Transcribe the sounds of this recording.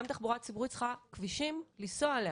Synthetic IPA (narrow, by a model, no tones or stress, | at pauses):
mt̪aχbuʁat̚t͡sibuʁit͡sχakviʃimlisoale